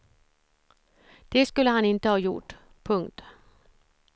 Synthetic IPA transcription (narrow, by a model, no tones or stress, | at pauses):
d̪̥eskʉləhænɪnt̪əhɑːjʊʈ | pʰɵŋt̪